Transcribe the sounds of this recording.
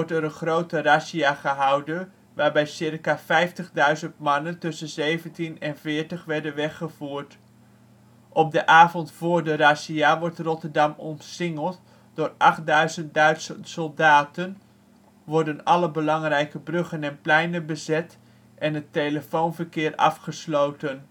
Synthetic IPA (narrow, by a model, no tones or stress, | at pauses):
ɔɹtɛɾənχrowtərasiaχəɦɑwdən | ʋaːɹbɛjsɪrkafɛjftəχdœɥzəntmɑnəntɵsənzejvəntinɛnvɪːɹtəχʋɛɹdənʋɛχəv̥uːɹt | ʔɔb̚dəʔaːvɔntfʊːɹdərasiaʋɔɹtrɔtəɹdɑmɔnsɪŋəlˠt | d̥ʊːrɑχt̚dœɥzənt̚dœɥtsəsɔlˠdaːtən | ʋɔɹdənɑləbəlɑŋrɛjkəbrɵχənɛnplɛjnəbəzɛt | ʔɛnətejləfownvəɹkɪːrɑ̰fχəslowtən